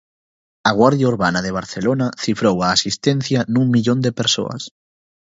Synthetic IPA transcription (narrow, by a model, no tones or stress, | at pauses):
ɐɣ̞waɾðjauɾβanɐðeβ̞aɾθelonaθifɾowaːsist̪ɛn̟θjanuŋmiʎõnd̪epeɾso̰ɐ̰s